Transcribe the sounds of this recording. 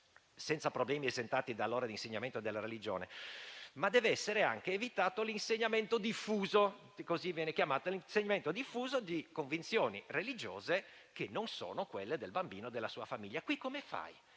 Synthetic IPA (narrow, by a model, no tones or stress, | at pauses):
sɛnt̪sapɾoblɛːmiezent̪aːt̪id̪alːoːɾad̪inseɲːament̪od̪elːaɾelid͡ʒo̰ːnemad̪ɛːveɛsːeɾea̰ŋk̟eːvit̪aːt̪olinseɲːament̪od̪ifːuːzo | kozivjɛːnekjamaːt̪oliseɲːament̪od̪ifːuːzod̪ikoɱvint̪sjoːnirelid͡ʒo̰ːze | k̟enːonso̰ːnokwelːed̪elbambiːnod̪elːasuːafamiʎːakwikːomefa̰j